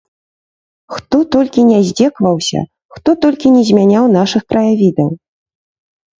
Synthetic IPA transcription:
xt̪ɔt̪ɔlʲkʲinʲɛzʲd͡zʲɛkvɐwsʲɐ̰ | xt̪ɔt̪ɔlʲkʲinʲɛzʲmʲanʲawnaʂɨxkɾɐjavʲid̪ɐw

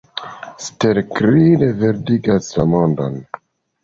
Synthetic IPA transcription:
steɾkɾideve̞ɾdiɡaslamondo̰n

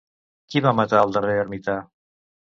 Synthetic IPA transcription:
kiβamat̪aəlˠd̪əreəɾmit̪a

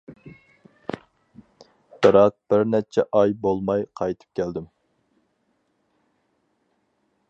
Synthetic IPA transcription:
b̥ɪɾɑq̚b̥ɪɾnɛt͡ʃʰɛʔɑjbolˠmɑjqʰɑjt̪ʰɨ̥p̚kʲʰæld̪ɪm

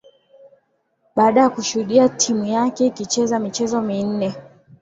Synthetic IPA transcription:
ɓaːɗajakuʃuhuɗiatʰimujakɛikit͡ʃɛzamit͡ʃɛzɔmin̩nɛ

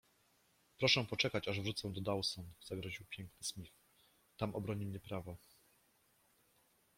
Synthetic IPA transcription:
pɾɔʂɛ̃pɔt͡ʂɛkat͡ɕaʐvʐut̪sɛ̃d̪ɔd̪awsɔnz̥aɡɾɔʑiwpʲjɛŋknɘsmʲif | t̪amʔɔbɾɔɲimɲɛpɾavɔ

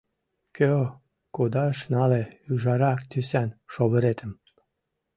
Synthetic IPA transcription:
kø | kud̪ɑəʃnɑleyʒɑɾɑkt̪ysænʃoβə̆ɾet̪ʰə̆m

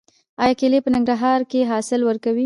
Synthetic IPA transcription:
ɑjɑkelepənɪŋɡɾaɦɑɾkeɦɑsɪlwəɾkawi

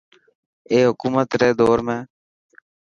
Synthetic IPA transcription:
eːɦʊkuːmət̪ɾeːd̪oːɾmẽː

